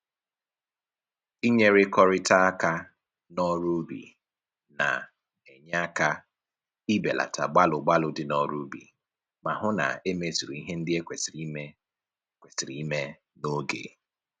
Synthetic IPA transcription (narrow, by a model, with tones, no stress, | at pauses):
i˦ɲe˦ɾɪ˦kɔ˦ɾɪ˦ta˦a˦ka˦ | nɔ˦ɾu˦bḭ˨ | na̰˨ | e˨ɲ˦a˦ka˦ | i˦be˨la̰˨ta˨ɡ͡ba˦lʊ˨ɡ͡ba˦lʊ˨dɪ˦nɔ˦ɾu˦bḭ˨ | ma˨ɦʊ˦na̰˨e˦me˦zi˨ɾu˨i˦ɦe˦n̩˦dɪ˦e˦kʷe˨sɾi˦me˦ | kʷe˨si˨ɾi˨i˦me˦ | no˦ɡḛ˨